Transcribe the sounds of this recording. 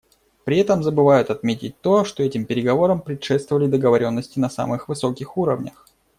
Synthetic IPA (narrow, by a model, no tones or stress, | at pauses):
pɾʲɪɛt̪əmzəbɨvajʊt̪ɐt̪mʲetʲɪt̚ʲt̪o̞ʂt̪o̞ɛtʲɪmpʲɪɾʲɪɡɐvo̞ɾəmpɾʲɪt̪ʂɛt̪st̪vəvəlʲɪd̪əɡəvɐɾʲo̞nːəsʲtʲɪnɐsa̰mɨxvɨso̞kʲɪxuɾəvnʲə̰x